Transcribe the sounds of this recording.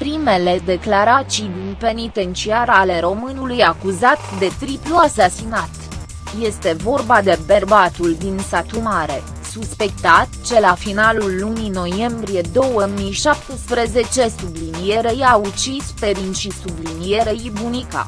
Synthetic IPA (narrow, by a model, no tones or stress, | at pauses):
pɾime̞le̞d̪e̞klaɾat͡ʃijd̪inpe̞nit̪e̞nt͡ʃiaɾale̞ɾo̞mɨnulujakuzat̪d̪e̞t̪ɾipluasasinat̪ | je̞st̪e̞vo̞rbad̪e̞be̞rbat̪uld̪insat̪umaɾe̞ | suspe̞k̚t̪at̪t͡ʃe̞lafinalulːunino̞je̞mbɾije̞d̪o̞wəmijʃap̚t̪espɾe̞ze̞t͡ʃe̞sublinije̞ɾe̞jaut͡ʃispe̞ɾinʃisublinije̞ɾeibunika̰